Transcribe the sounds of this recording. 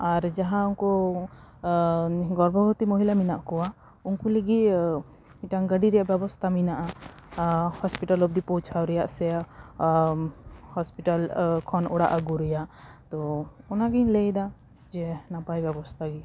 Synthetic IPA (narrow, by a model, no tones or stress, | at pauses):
aɾd͡ʒaɦãunkɔ | ɡɔɾbʱɔɡɔt̪imɔɦilaminaʔkɔwa | unkuleɡi | iʈaŋɡəɖiɾɛjaʔbjɛbɔst̪ʰaminaʔa | hɔspiʈalɔb̚d̪ipɔt͡ʃʰawɾɛjaʔsɛ | hɔspiʈalkʰɔnɔɽa̰ʔaɡuɾɛjaʔt̪ɔɔnaɡiɲlejd̪a | d͡ʒɛnapajbjɛbɔst̪ʰaɡi